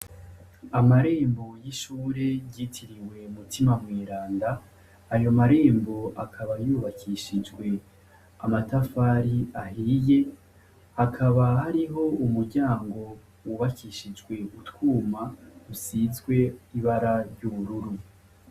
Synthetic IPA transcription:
amaɾe̞ːmbo̞jiʃuːɾe̞ɟiːtʰiɾiwe̞mutimamŋeːɾaːndaː | jo̞maɾe̞ːmbo̞akʰaβajuːβakʰiʃid͡ʒɡwe̞ | a̰matafaɾiahije̞ | hakʰaβahaɾiɦo̞umuɾɟaːŋɡo̞ | wuβakʰiʃid͡ʒɡwe̞ʔutwuːmausizɡwe̞iβaɾaɾɟuβuɾuɾu

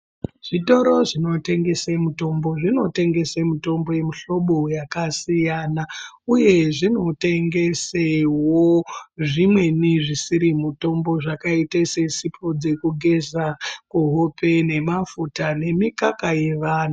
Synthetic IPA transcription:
ʐ̥ito̞ɾo̞ʐino̞te̞ŋɡe̞semuto̞mbo̞ʐino̞te̞ŋɡe̞semuto̞mbo̞je̞muɬo̞ɓojakasijanauje̞ʐino̞te̞ŋɡe̞sewoʐimwe̞niʐisiɾimuto̞mbo̞ʐakaitesesipʰod͡ze̞kuɡʱe̞zakuɦope̞ne̞mafutane̞mikakaje̞ʋaːna

